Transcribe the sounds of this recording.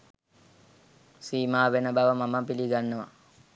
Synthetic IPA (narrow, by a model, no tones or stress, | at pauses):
siːmaːʋenəbaʋəmaməpiliɡanːəʋa̰